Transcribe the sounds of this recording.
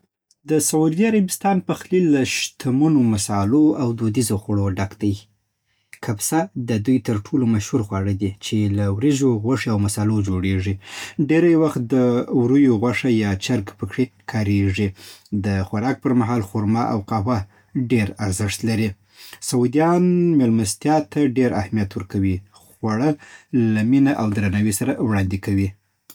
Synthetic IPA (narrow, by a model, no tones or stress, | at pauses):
d̪əsaud̪iaɾabɪst̪ɑnpaxlilːaʃt̪ʰamunomasɑloawd̪od̪izoxaɽoɖakd̪aj | kʰabsad̪əd̪ujt̪əɾʈʰolomaʃhuɾxwɑɽəd̪it͡ʃelawɾiʒoɣwaʂeawmasɑlod͡ʒoɽeʐiɖeɾajwaxt̪̚d̪əwɾujoɣwaʂajɑt͡ʃaɾɡpəkɽekʰɑɾeʐid̪əxwaɾɑk̚pəɾmaɦɑlxuɾmɑʔa̰wqaɦwa | ɖeɾaɾzɪʂt̪laɾi | sawud̪ijɑnmelmast̪jɑt̪ʰaɖeɾʔahmijat̪wəɾkawi | xwaɽəlaminaʔawd̪ɾanawisaɾawɽɑnd̪ekawi